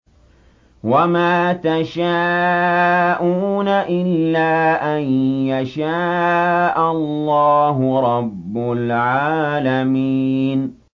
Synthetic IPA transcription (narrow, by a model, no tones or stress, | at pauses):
wamaːt̪aʃaː | ʔuːnaʔɪlːaːʔanjaʃaːʔallːɑːɦʊɾˤɑbːʊlʕaːlamiːn